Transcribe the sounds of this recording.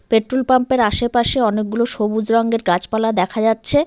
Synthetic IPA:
peʈɾolpampeɾaʃepaʃeɔnek̚ɡuloʃobud͡ʑɾɔŋɡeɾɡat͡ɕpalad̪ɛkʰad͡ʑatːɕʰe

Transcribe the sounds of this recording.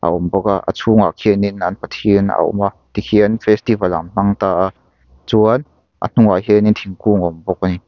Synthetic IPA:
ʔa̰ʔɔmbɔkaʔə̰t͡sʰuŋa̰kʰɛninɐnpɐt̪ʰiənə̰ʔɔ̰mat̪ikʰiənfɛst̪ivɐla̰mn̥ɐŋt̪aːʔa | t͡suən | ʔə̰n̥uŋaɦɛnint̪ʰiŋkuːŋɔmbɔk̚ani

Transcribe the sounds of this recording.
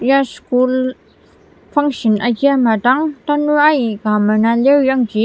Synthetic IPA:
jaskul | faŋʃənʔakiamat̪aŋt̪anuʔajiʔkamanalewjaŋki

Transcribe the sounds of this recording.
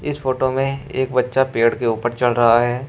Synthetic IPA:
ɪsfoːʈomẽeːk̚bɐtːʃapeːɽkeuːpəɾt͡ʃɐlɾɐɦaɦɛː

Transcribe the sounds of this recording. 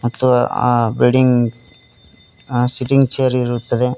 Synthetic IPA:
ɐt̪ʰːuʋabilɖiŋɡ | siʈiŋɡt͡ʃeːɐɾiiɾut̪ːɐd̪e̞

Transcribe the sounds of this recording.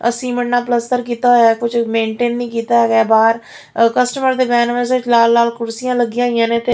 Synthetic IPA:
ə̰sĩːməɳːaːpləst̪əɾk̬iːt̪aːɦoːjaːkʊt͡ʃmẽːɳʈeːnːĩːkiːt̪aːɦɛːɡɛːbaːɾ | kəsʈəməɾd̪eːbɛːnʋəːsʋɪt͡ʃlaːlːaːlkʊɾsɪjãːləɡɪjãːɪjãːneːt̪eː

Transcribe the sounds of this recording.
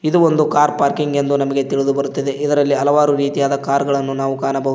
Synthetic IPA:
id̪uo̞nd̪ukaːɾpaːɾkiŋɡe̞nd̪unɐmɐɡe̞t̪iɭid̪ubɐɾut̪ːid̪e̞ʔid̪ɐɾɐlːiɐlɐʋaːɾuɾiːt̪ijaːd̪ɐkaːɾɡɐɭɐnːunaːʋukaːnɐbɐɦu

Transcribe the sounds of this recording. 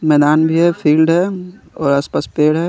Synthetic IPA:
mɛːd̪aːnbʱiɦɛfʰiːlɖɦɛː | ɔːɾaspəspeːɽɦɛ

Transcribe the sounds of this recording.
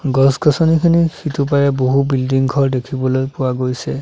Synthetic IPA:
ɡɔskɔsɔnikʰinixʰitupaɹɛboɦubildiŋɡʱɔɹdekʰibɔlojpʊwaɡojsɛ

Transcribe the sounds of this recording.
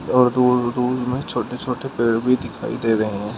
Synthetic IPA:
ɔːɾd̪uːd̪uːd̪mẽt͡ʃʰoːʈet͡ʃʰoːʈepeːɽbʱid̪ɪkʰa̰ːḭd̪eːɾɐɦẽɦɛ̃ː

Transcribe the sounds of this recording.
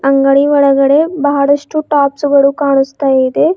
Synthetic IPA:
ɐŋɡɐɭiʋɔɭɐɡɐɽe̞bɐɦɐɽɐʂʈuʈaːpsuɡɐɭukaːɳust̪aːjeid̪e̞

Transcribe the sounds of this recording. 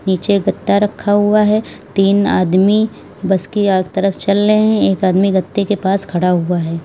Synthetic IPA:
niːt͡ʃeɡɐt̪ːaɾɐkʰːaɦuaɦɛt̪iːna̰ːd̪mi | bɐskiat̪ɐɾəft͡ʃɐlɾəɦẽɦɛ̃eːkaːd̪miɡɐt̪ːekepaːskʰɐɽaɦuaɦɛː

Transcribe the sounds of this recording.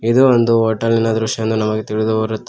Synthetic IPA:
id̪uond̪uoːʈːɐlːinɐd̪ɾuʂjɐɐnd̪unɐmɐɡet̪iɭid̪uoɾut̪ːe

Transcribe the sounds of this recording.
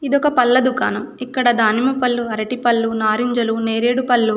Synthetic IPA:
id̪ɔkɐpɐlːɐd̪uka̰ːnɐikːɐɽɐd̪aːnimɐpɐlːuɐɾɐʈipɐlːunaːɾiɲd͡ʒɐluneːɾeːɽupɐlːu

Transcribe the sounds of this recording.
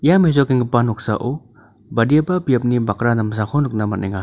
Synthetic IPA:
james̬okiŋɡupanɔksa̰ʔo | badijabapiap̬̚nibakɾanams̬akʰɔnuk̚namɐt̚niŋa

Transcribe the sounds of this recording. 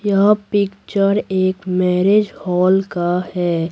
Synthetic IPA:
jɐɦapɪkt͡ʃəɾeːkmɛːɾed͡ʒhɔːlkahɛː

